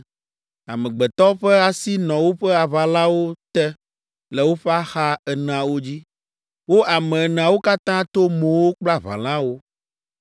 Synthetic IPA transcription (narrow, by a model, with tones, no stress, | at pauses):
a̰˨mɛ̃˨ɡ͡bɛ˨t̪ɔ˦ɸɛ˦a˨si˦nɔ̃˨wo˦ɸɛ˦a˨βa˨lã˦wo˦t̪ɛ˦ | lɛ˨wo˦ɸɛ˦a˦xa˦ɛ˨nɛ̃˨a˨wo˦d͡ʑi˦ | wo˦a˨mɛ̃˨nɛ̃˨a˨wo˦ka˦t̪ã˦t̪o˦mõ˨wo˦k͡pla˦βã̰˨l̃ã˦wo˦